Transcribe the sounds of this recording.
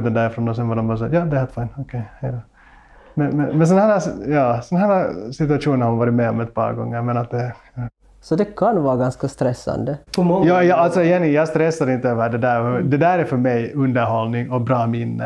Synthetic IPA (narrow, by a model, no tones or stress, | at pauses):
d̪ɛnd̪æːɾɪfɾɔnd̪ɔsɛnvaːdɔmvɑːɾs̬aːjɑːd̪ɛhɛt̪faɪnɔkʰɛjhɛɪd̪ɔ | mɛnmɛnmɛns̬ɔnhæːɾajɑːsɔnhɦæːɾasɪt̪ʉaʂuːnənhaɾmanvɑːɾɪt̪mɛɔmɛt̪̚pʰɑ̰ːɾɡɔ̰ŋːəɾmɛnat̪̚d̪ɛ | sɔd̪ɛkʰanvɑːɾɡanskast̪ɾɛsːa̰nd̪əpɔɔjɑːjɑalt̪sɔɛjɛnːɪjɑːɡst̪ɾɛsːaɾɪnt̪əøːʋəəɖɛd̪æːɾd̪ɛd̪æːɾɛɾfœɾmɛjɵnd̪əɾhɔlnɪŋɔbɾɑːmɪnːə̰